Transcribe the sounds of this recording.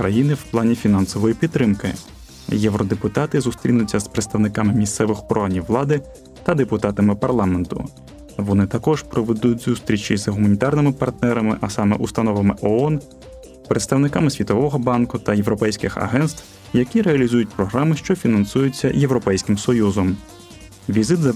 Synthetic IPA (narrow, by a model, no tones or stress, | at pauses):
kɾɐjinɪwplˠɑnʲifʲinɑnsɔʋɔjipʲid̪t̪ːɾɪmkɪ̰ | jɛʋɾɔd̪epʊt̪ɑt̪ɪzʊst̪ɾʲinʊt͡sʲːɐspɾet̪st̪ɐʋnɪkɑmɪmʲist̪sɛʋɪxpɾɔɑnʲiwʋlˠɑd̪ɪ | t̪ɐd̪epʊt̪ɑt̪ɐmɪpɐrlˠɑment̪ʊ̰ | ʋɔnɪt̪ɐkɔʒ̥pɾɔʋed̪utʲzust̪ɾʲit͡ʃizɦʊmɐnʲit̪ɑrnɪmɪpɐrt̪̚nɛɾɐmɪ̰ʔɐsɑmɛ̰ʔust̪ɐnɔʋɐmɪʔɔɔn | pɾet̪st̪ɐwnɪkɑmɪsʲʋʲit̪ɔʋɔɦɔbɑnkʊt̪ɐjewɾɔpɛjsʲkɪxɐ̰ɦɛnst̪w | jɐkʲiɾeɐlʲizujʊt̚ʲpɾɔɦɾɑmɪʃt͡ʃɔfʲinɐnsujʊt͡sʲːɐjewɾɔpɛjsʲkɪmsɔjuzɔm | ʋʲizɪt̪zɐ